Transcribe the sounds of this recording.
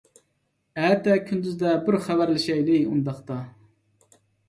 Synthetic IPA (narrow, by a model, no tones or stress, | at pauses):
ɛt̪ːɛkʲʰynd̪yzd̪ɛbɪɾχæbæɾlɪʃɛjd̪ɪund̪ɑχt̪ɑ